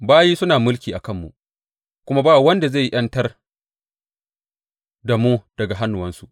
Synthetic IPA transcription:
baː˦jiː˦sʊ˦naː˨mʊ˦lkʲiː˨ʔa˨kɐ˦˨mːṵ˨ | kʷʊ˦ma˦baː˦˨wɐ˦nda˨ze˦˨˦ʔɐ˦ntɐ˦r | da˨muː˦d̥ɐ˨ɡa˨ɦa˦nːʊ˨wɐ˦nsu˨ʔ

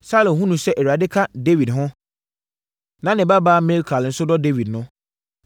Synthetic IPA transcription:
saː˦lõ˨ɦũ˦nũ˨sɛ˦ʔɛ˨ɥa˨dɪ˦kʰa˦de˦wi˨dɦʊ̃˦ | nã˨nɪ̃˨ba˦baː˦me˦lkʰa˨lɪ˨n̩˦sʊ˦dɔ˦de˦wi˨dnʊ̃˦

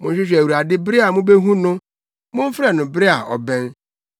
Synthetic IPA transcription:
mʊ̃˨nɕ̬ᶣɪ˦ɕ̬ᶣæ˨wu˨ɾa˨dɪ˦bɾɪ˦a˨mʊ̃˦be˦ɦũ˦nʊ̃˦ | mʊ̃˦m̩˦fɾɛ˨nʊ̃˨bɪ˦a˨ʔɔ˨bɛ̃˦n

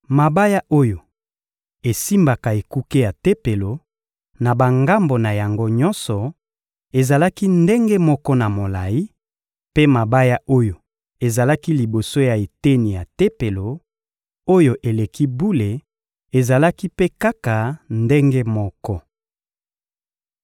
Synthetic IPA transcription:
ma˨ba˦ja˦o˦jo˨ | e˨si˦mba˨ka˨e˨ku˦ke˦ja˨te˦pe˨lo˨ | na˨ba˨ŋɡa˦mbo˨na˨ja˨ŋɡo˦ɲɔ˦nsɔ˨ | e˨za˨la˦ki˦nde˦ŋɡe˦mɔ˦kɔ˦na˨mo˨la˨ji˦ | pe˦ma˨ba˦ja˦o˦jo˨ | e˨za˨la˦ki˦li˨bo˨so˦ja˨e˨te˦ni˨ja˨te˦pe˨lo˨ | o˦jo˦ʔe˨le˨ki˦bu˦le˨ | e˨za˨la˦ki˦pe˦ka˦ka˨nde˦ŋɡe˦mɔ˦kɔ˦

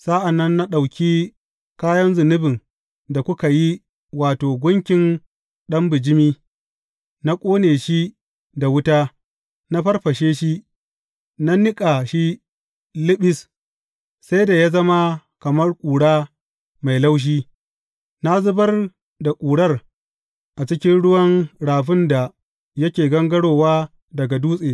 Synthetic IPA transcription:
sa˦ʔa˨nːɐ˦nːa˦ɗa˨wkʲi˦ | kaː˦jɐ˦nzʊ˨nʊ˦bɪ˨ŋ | da˨kʷʊ˦ka˨ji˦ | waː˨toː˨ɡʷʊ˦ŋkʲɪ˨n | ɗɐ˦mbɪ˨d͡ʒɪ˦miː˦ | na˦kʷʼoː˦neː˨ʃi˦ | da˨wʊ˦taː˦ | na˦ɸɐ˦rɸɐ˨ʃeː˦ʃi˦ | na˦nɪ˦kʼa˨ʃi˦ | lɪ˦ɓɪ˦s | sa˦jda˨ja˦zɐ˦ma˦kɐ˨mɐ˦rkʷʼuː˨ɽaː˦ | ma˨jla˦wʃ̬iː˦ | na˦zʊ˦bɐ˦r | da˨kʷʼuː˨ɽɐ˦r | ʔa˨t͡ʃɪ˦kʲɪ˦nɽʊ˦wɐ˦ŋɽaː˨ɸɪ˦nda˨ | jɐ˦kʲeː˨ɡɐ˦ŋɡɐ˦ɽoː˨waː˦ | dɐ˨ɡa˨duː˦sʼeː˨

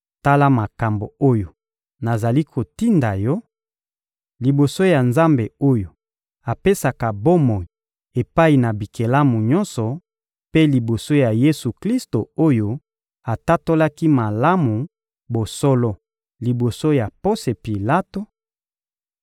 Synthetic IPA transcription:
ta˦la˦ma˨ka˨mbo˨o˦jo˨ | na˨za˨li˦kʰo˨ti˦nda˨jɔ˦ | li˨bo˨so˦ja˨nza˦mbe˨o˦jo˨ | a˨pe˦sa˨ka˨bo˦mɔ˨i˨ | e˨pa˦i˨na˨bi˨ke˨la˦mu˨ɲɔ̃˦nsɔ˨ | pe˦li˨bo˨so˦ja˨je˦su˨kli˦sto˨o˦jo˦ | a˨ta˦to˦la˦ki˦ma˨la˦mu˨ | bo˨sɔ˦lɔ˦ | li˨bo˨so˦ja˨po˦se˨pi˨la˦to˨

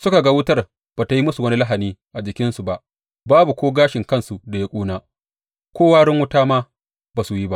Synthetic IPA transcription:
sʊ˦ka˨ɡa˦wʊ˦tɐ˦˨r | b̥a˨ta˨ji˦mʊ˦su˨wɐ˦ni˦la˦ɦa˨niː˦ʔa˨d͡ʒɪ˨kʲɪ˦nsu˨ba˦ʔ | baː˦bu˨kʷoː˦ɡaː˦ʃɪ˨ŋkɐ˦nsu˨da˨ja˦kʷʼuː˦naː˦ | kʷoː˦waː˦ɽɪ˦ŋwʊ˦taː˦maː˦ | baː˨su˨ji˦ba˦ʔ

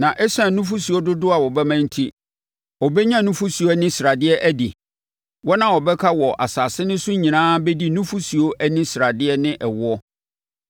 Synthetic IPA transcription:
nã˨ʔɛ˦sã˨nũ˦fu˦si˨o˦dʊ˦dʊ˦a˨wɔ˨bɛ˦mã˦n̩˦tʰi˦ | ɔ˨bɛ˦ɲã˦nʊ̃˦fu˦si˨o˦æ˦nɪ̃˦sɾa˨dɪ˦ɛ˦ʔæ˦di˨ | wɔ˦nã˨wɔ˨bɛ˦kʰa˦wɔ˨ʔa˨saː˨sɪ˦nɪ̃˦sʊ˦ɲĩ˨nãː˦bɛ˦di˦nũ˦fu˦su˨o˦ʔæ˦nĩ˦sɾa˨dɪ˦ɛ˦nɪ̃˦ʔɛ˨wʊ˦ɔ˦

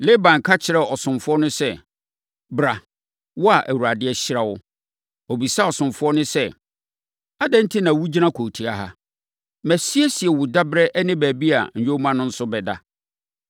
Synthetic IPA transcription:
le˦bã˨ŋ˨kʰa˦t͡ɕʰɪ˨ɾɛ˨ɔ˨sʊ̃˨mfʊ˦ɔ˦nʊ̃˦sɛ˦ | bɾa˨ | wɔ˦a˨ʔæ˨wu˨ɾa˨dɪ˦ɛ˦ɕɪ˦ɾa˦wʊ˦ | o˨bi˨sa˦ɔ˨sʊ̃˨mfʊ˦ɔ˦nʊ̃˦sɛ˦ | a˦dɛ̃˦n̩˦tʰɪ˦nã˨wu˦d͡ʑi˦nã˦kʰo˨tʰi˨a˨ɦa̰˦ | mæ˨si˦e˦si˨ɛ˨wʊ˨da˦bɾɛ˦ʔɛ˦nɪ̃˦bæː˨bi˦a̰˨ɲ̩˨jᶣo˦mã˦nʊ̃˦n̩˦sʊ˦bɛ˨da̰˦

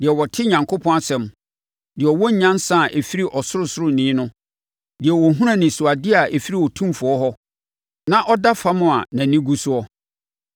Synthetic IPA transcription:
dɪ˨ɛ˨wɔ˨tʰɪ˦ɲã˨ŋkʰo˦pʰɔ̃˦a˦˨sɛ̃˨m | dɪ˨ɛ˨ɔ˨wɔ˦ɲ̩˦ɲã˦n˦sã˦˨ʔe˨fi˦ɾi˦ʔɔ˨sʊ˦ɾʊ˦sʊ˦ɾʊ˦nĩː˨˦nʊ̃˦ | dɪ˨ɛ˨wɔ˨ɦũ˦ɾã˦nɪ̃˨su˨a˨dɪ˦a˨ʔe˨fi˦ɾi˨wɔ˨tʰũ˦mfʊ˨ɔ˦ɦɔ˦ | nã˦ʔɔ˦da˦fa˦mʊ̃˨a˨nã˨nĩ˦ɡu˦sʊ˦ɔ˦

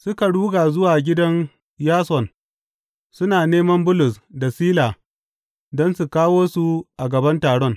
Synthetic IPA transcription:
sʊ˦ka˨ɽuː˦ɡaː˨zʊ˦waː˨ɡʲɪ˦dɐ˦n | jaː˦sɔ˨n | sʊ˦naː˨neː˦mɐ˦mbʊ˦lʊ˨sda˨siː˦laː˨ | dɔ˦nsu˨kaː˦woː˦su˨ʔa˨ɡɐ˨bɐ˦ntaː˨ɽɔ˦ŋ

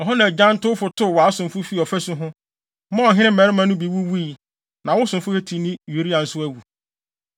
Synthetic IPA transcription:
ɔ˨ɦɔ̃˦nã˨d͡ʑã˦n˦tʊ˦fʊ˨tʰʊ˦˨wɔ˨a˨˦sʊ̃˨mfʊ˦fi˦˨ɔ˨fæ˦sʊ˦ɦʊ̃˦ | mɔ̃˦ɔ˨ɦɪ̃˦ɪ̃˦m̩˦˨ɛ˨ɾɪ˦mã˦nʊ̃˦bi˨˦wu˦wu˦i˨ | nã˨wʊ˦sʊ̃˨mfʊ˦hɛ˦tʰi˨nĩ˦ju˨˦ɾi˦ã˨n̩˨sʊ˦æ˦wu˨

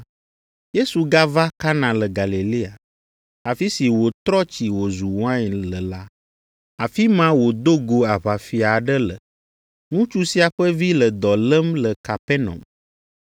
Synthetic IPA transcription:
je˦su˨ɡa˦va˦ka˦nã˨lə˨ɡa˨li˨li˦a˨ | a˨fi˦si˨wo˨t̪ɾɔ˦t͡ʃi˨wo˨zu˨wã˦ɲlə˨la˦ | a˨fi˦mã˦wo˨d̪o˦ɡo˨a˨βa˨fi˨a˨ɖə˦lə̰˨ | ŋũ˦t͡ʃu˦si˦a˨ɸə˦vi˦lə˨d̪ɔ˨lə˦mlə˨ka˨pɛ˦nɔ̰̃˨m

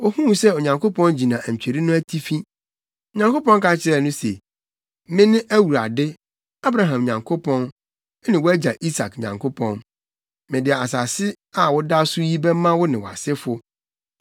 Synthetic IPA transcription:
o˦hũ˦˨sɛ˦ɔ˨ɲã˨ŋko˦pʰɔ̃˦nd͡ʑi˨nã˨ɲ̩˨t͡ɕᶣe˨ɾi˦nʊ̃˦æ˦tʰi˦fĩ˦ | o˨ɲã˨ŋko˦pɔ̃˦nka˨t͡ɕʰɪ˦ɾɛ˨nʊ̃˦se˨ | mɪ̃˦nɪ̃˦ʔæ˦wu˨ɾa̰˨dɪ˦ | a˦bɾa˦ɦã˨m˨ɲã˨ŋkʰo˦pʰɔ̃˦n˦ | nɪ̃˨wɔ˦æ˦d͡ʑa˨ʔi˦sa˨kɲã̰˨ŋkʰo˦pʰɔ̃˦n | mɪ̃˨dɪ˨ɛ˨a˨sa˨sɪ˦ | a˨wʊ˦da˦sʊ˦ji˦bɛ˦mã˦wʊ˦nɪ̃˨wa̰˨sɪ˦fʊ˦

